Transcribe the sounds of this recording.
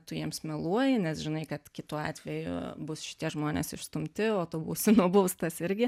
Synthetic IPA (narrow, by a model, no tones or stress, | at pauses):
t̪ʊjiɛmsmʲɛlˠuɔjɪnʲɛsʒʲɪnɐɪkɐt̪kʲɪt̪uɑ̰ːt̪ʲʋʲɛjʊ̰bʊsʃʲɪ̥tʲiɛʒmoːnʲḛːsɪʃst̪ʊmʲt̪ʲɪoːt̪obṵːsʲɪnʊboʊst̪ɐsɪɾʲɡʲɪ